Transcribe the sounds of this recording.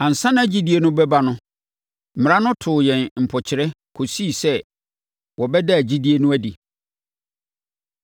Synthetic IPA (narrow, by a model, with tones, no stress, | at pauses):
ã˨n̩˨sã˦nã˦æ˨d͡ʑi˦di˦e˦nʊ̃˦bɛ˦ba˦nʊ̃˦ | m̩˨m̃˨ã˦nʊ̃˦tʰʊ˨jɛ̃˨nm̩˨pʰɔ˨t͡ɕʰɪ˨ɾɛ˦ | kʰo˨siː˦˨sɛ˦ | wʔɔ˨bɛ˦da˦æ˨d͡ʑi˦di˦e˦nʊ̃˦æ˦di˨